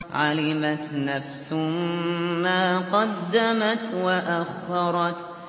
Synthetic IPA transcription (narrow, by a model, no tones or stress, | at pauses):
ʕalɪmat̪nafsʊmmaːqɑd̪ːamat̪waʔaxːɑɾˤɑt̪